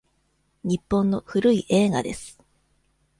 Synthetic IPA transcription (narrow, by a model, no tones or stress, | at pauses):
ɲ̟ipːõ̞nːohɯɾɯiʔe̞ːɡa̰d̪e̞sɨ̥